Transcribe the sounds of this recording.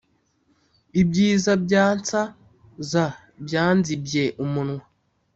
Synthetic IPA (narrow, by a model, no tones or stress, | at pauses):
ibɟiːzabɟaːnt͡sa | za | bjaːnzibje̞ʔumunwa